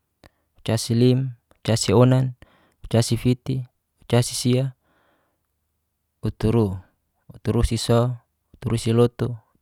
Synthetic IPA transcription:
u̥t͡ʃasilim | ut͡ʃasionan | ut͡ʃasifit̪i | ut͡ʃasisia | ut̪uɾu | ut̪uɾusisɔ | ut̪uɾusilot̪u

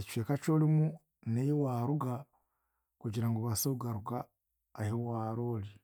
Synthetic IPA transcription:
eci̥feːkat͡ʃoːlimu | nejiwaːɾuɡa | kuɟiɾaŋɡoβasauɡaɾuɡaː | hewaːɾoːli

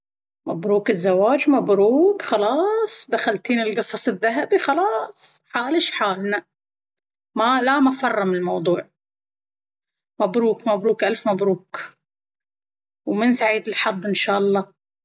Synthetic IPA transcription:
mabɾuːkɪzːawaːd͡ʒmabɾuːkxɑlɑːsˤd̪axalt̪iːnɪlɡɑfɑsˤɪðːaɦabixɑlɑːsˤħaːlɪʃħaːlna | malamafɑrˤːɑmɪlmɑwd̪ˤuːʕ | mabɾuːkmabɾuːkʔalfmabɾuːk | wmɪnsaʕiːd̪ɪlħɑd̪ˤːɪnʃaːʔɑlˤːɑː

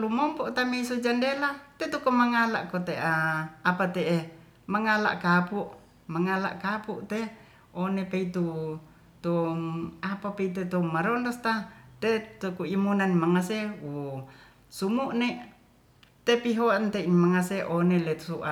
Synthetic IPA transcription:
lumɔmpɔʔt̪ameisud͡ʒandelat̪et̪ukomaŋala̰ʔkot̪eaapat̪ee | maŋala̰ʔkapuʔ | maŋala̰ʔkapuʔt̪e | onepeit̪u | t̪ɔmapapeit̪̬ut̪umːaɾɔndɔst̪at̪et̪ukuimunanmaŋaseu | sumuʔne | t̪epiɦoant̪einmaŋaseʔonelet̪u̥suʔa

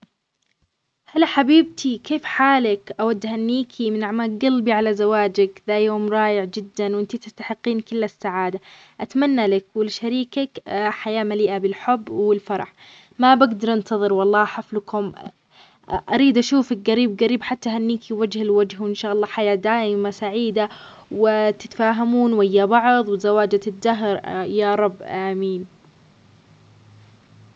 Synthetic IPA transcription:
halaħabiːb̚t̪ʰikeːfħaːlakʔawad̪ːhanːiːkʰimɪnʔaʕmaːlɡalːbiʕalazawaːd͡ʒakðajoːmɾˤɑːjɪʕd͡ʒɪd̪ːanwʔɪnt̪it̪ɪst̪aħɪqːiːnkɪlːasːaʕaːd̪a | ʔat̪manːalakwɪlʃaɾiːkakħajaːmaliːʔabɪlħʊbːwwɪlfɑɾˤɑ̰ħ | mabaɡd̪ɑɾˤʔɪnt̪ʰɑðˤɨɾwɑlˤːɑːħaflkʊm | ʔaɾiːd̪ʔaʃuːfɪkɣaɾiːbɣaɾiːbħat̪ːaɦanːiːkiwad͡ʒhɪlwad͡ʒhwɪnʃaːʔɑlˤːɑːħajaːd̪aːʔɪmasaʕiːd̪a | wɪt̪ɪt̪faːɦamuːnwɪjːabɑʕðˤwɪzawaːd͡ʒat̪ɪd̪ːaɦɾjaːɾˤɑbːʔamiːn

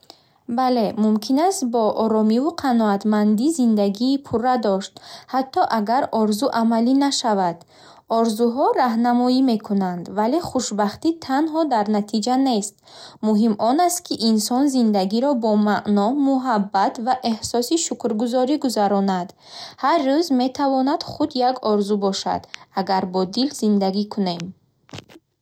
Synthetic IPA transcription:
bale̞mumkʰinast̪̚bɔʔɔɾɔmivuqʰanɔat̪mand̪izind̪aɡiːpʰurːad̪ɔʃt̪hat̪ʰːɔʔaɡaɾɔɾzuʔamalinaʃavad̪̥ | ɔɾzuɦɔɾaɦnamɔime̞kʰunand̪vale̞χuʃbaχt̪it̪ʰanɦɔd̪aɾnat̪ʰid͡ʒane̞st̪ | muɦimɔnast̪kʰiʔinsɔnzind̪aɡiɾɔbɔmaʔnɔmuɦabːat̪vaʔe̞hsɔsiʃukɾɡuzɔɾiɡuzaɾɔnad̪ | harːuzme̞t̪ʰavɔnad̪̥χud̪jaɡɔɾzubɔʃa̰d̪̥aɡaɾbɔd̪ilzind̪aɡikʰunem

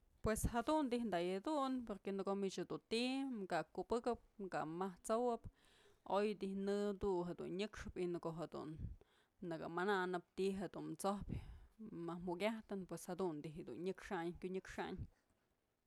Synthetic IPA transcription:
pweshad̪und̪ihnd̪ajad̪unpoɾkenɨkomit͡ʃhed̪unt̪ikakupɨkɨp̚kamaht͡sowɨp | ojd̪ihnɨd̪uɦed̪ṵnɲɨkʂɨpinɨkoɦed̪ṵnː | ɨkɨ̰mananɨp̚t̪iɦed̪unt͡sohpʲ | mahmukʲaht̪ɨnpweshed̪und̪iɦd̪ṵnɲɨkʂaɲkʲuɲɨkʂa̰ɲ

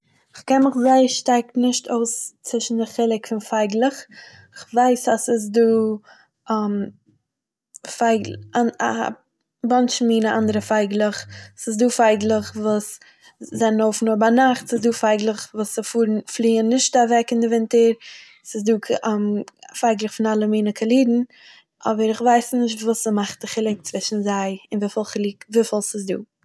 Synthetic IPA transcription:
ɪχkɛnmɪχzaɪʃtɛk̚tnɪʃtʰoʊst͡sɪʃn̩dɪχɪlˠɪkfɪnfaɪɡlˠəχ | ɪχvaɪsasɪs̬duː | am | faɪɡaa̰ | bɔnʃmiːnaʔandəɾəfaɪɡlˠəχsɪsduːfaɪɡlˠəχvuːs | zɛnənoʊfn̩obanaχtsɪsduːfaɪɡlˠəχvuːsəfuːɾnflˠiːənːɪʃtavɛkɪndɪvɪntəɾ | sɪsduːk | faɪɡlˠəχfɪnalˠəmiːnəkʰəlˠiːdn̩ | ʔɔbəɾɪχvaɪsnɪʃtvuːsəmaχtəχɪlˠɪk̚t͡svɪʃn̩zaɪɪnviːfɪlˠχlˠiːkviːfɪlˠsɪsdṵː

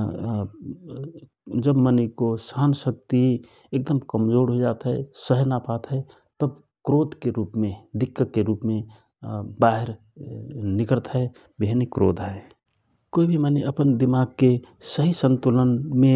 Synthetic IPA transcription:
d͡ʒəbmənikosaːnsək̚t̪i | eːk̚d̪əmkəmd͡ʒoːɾɦod͡ʒaːt̪ɦɛsəɦnapaːt̪ɦɛ | t̪əb | kɾoːd̪keɾuːpmẽd̪ɪkːəeɾuːpmẽ | baɦeɾ | nɪkəɾət̪ɦɛ | beɦnikɾo̰ːd̪ɦɛ | koibʱiməniʔəpənd̪ɪmaɡ̚kesəɦisə̃nt̪ulənmẽ

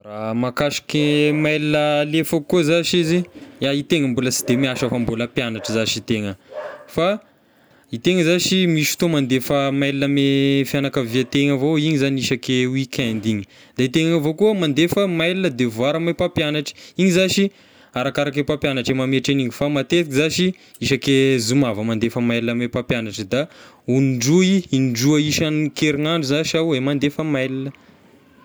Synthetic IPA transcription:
ramakaʃi̥kemajlinəlefakuzaʃiziait̪eŋəmbulət͡si̥d̪̥emiaʃəfamboləpjanaʈ͡ʂəzaʃit̪eŋəfa | it̪eŋəzaʃimiʃt̪omand̪efəmajlinəmefianakaviat̪eŋavoiɲizaniiʃakeuikʰʲand̪iɲi̥ | d̪̥ait̪eŋaŋavokuəmand̪efəmajlinəd̪evwaɾəmapapjanaʈ͡ʂi̥iɲizaʃi | aɾakaɾakepapjanaʈ͡ʂemameaʈ͡ʂeniɲifamat̪et̪ikizaʃi | iʃakezumavəmand̪efəmajlinəmepapjanaʈ͡ʂəd̪a | unɖ͡ʐuiinɖ͡ʐuəiʃankeɾiŋaɳɖ͡ʐuzaʃawemand̪efəmajlinə

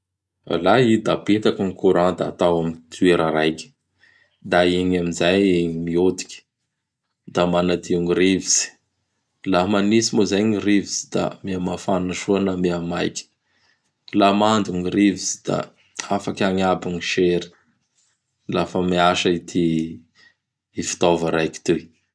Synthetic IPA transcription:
a̰laid̪abet̪akiŋikuɾãd̪aa̰t̪awamit̪ʰueɾaɾajkʲə̥ | d̪aiɲamizajimiod̪i̥kʲə̥ | d̪amanad̪iuŋiɾiviz̥i̥ | lamanisimozajŋiɾiviz̥id̪̥a̰miamafannəʃuanameamajkʲə̥ | lamand̪uŋiɾivizi̥d̪̥a̰ | afakʲaŋabiŋiʃeɾi̥ | lafəmiaʃəit̪ʰi | fi̥t̪ovaɾajkʲi̥t̪u

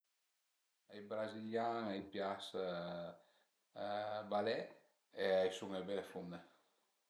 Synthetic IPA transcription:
ajbɾaziljaŋajpjas | balɛ | eajsuŋebefund̪e

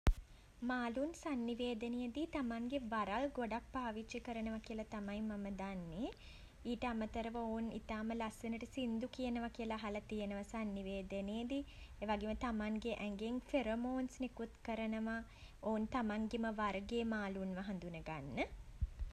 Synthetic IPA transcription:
maːlunsanːiʋeːd̪ənejəd̪it̪amaŋɡeʋaɾalɡoɖak̚paːʋit͡ʃikəɾənəʋakiəlɐt̪amajmaməd̪anːe | iːʈəamət̪əɾəʋəounḭt̪aːməlasʋenəʈəsind̪ukijənəʋakijəlɐɦalɐt̪ijənəʋasanːiʋeːd̪ənejed̪ieʋaɡemət̪amaŋɡeʔæŋɡeŋfeɾomoːnsnekut̪kəɾənəʋaoːnt̪amaŋɡeməʋaɾɡeːmaːlunʋɐɦand̪unəɡanːə

